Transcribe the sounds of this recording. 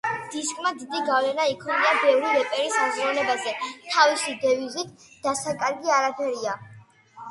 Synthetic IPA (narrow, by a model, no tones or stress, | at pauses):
d̪̥iskʼmad̪id̪iɡavlɛnaikʰɔniabɛvɾivɛpʼɛɾismzɾɔlɛbazɛt̪ʰavisid̪ɛvizit̪̚ʰ | d̪̥asakʼaɾɡiaɾapʰɛɾia